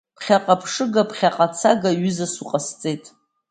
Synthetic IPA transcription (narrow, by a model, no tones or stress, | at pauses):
pχʲaqʼapʰʂɨɡapʰχʲaqʼat͡sʰaɡaɥʏzasuqʼast͡sʼejtʼ